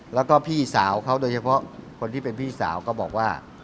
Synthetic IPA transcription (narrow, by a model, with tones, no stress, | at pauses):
lɛː˦˥wkɔː˥˩pʰiː˥˩sa̰ː˩˦wkʰa˦˥wdoː˧jt͡ɕʰa˧pʰɔ˦˥kʰo˧nt̪ʰiː˥˩pe˧npʰiː˥˩sa̰ː˩˦wkɔː˥˩bɔː˨˩k̚waː˥˩